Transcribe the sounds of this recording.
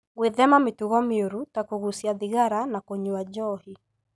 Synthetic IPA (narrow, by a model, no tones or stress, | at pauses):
ɣweðɛmametuɣɔmeoɾutakoɣusiaðiɣaɾanakoɲuad͡ʒɔhi